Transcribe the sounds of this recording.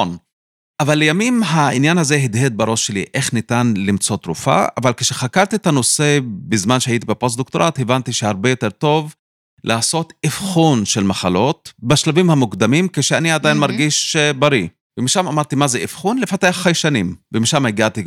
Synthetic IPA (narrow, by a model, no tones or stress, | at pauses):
on | ʔavalːejamimɦaʔinjanhaze̞ɦid̪ɦed̪̚baɾo̞ʃːe̞lḭʔe̞χnit̪anlimt͡so̞t̪ɾṵfa̰a̰valke̥ʃeχakaʁt̪iet̪ano̞se̞bizmanʃehait̪ibepos̬d̪ok̚t̪oɾat̪hevant̪iʃehaʁbe̞jo̞t̪e̞ʁt̪o̞v | lʔaːso̞t̪ifχunʃelmaχalo̞t̪̚baʃlavimhamukd̪amimkeʃeaniad̪ajinmaʁɡiʃbaɾi | vemiʃamamaʁt̪imazeifχunlefat̪ejaχejʃanimvemiʃamaiɡat̪i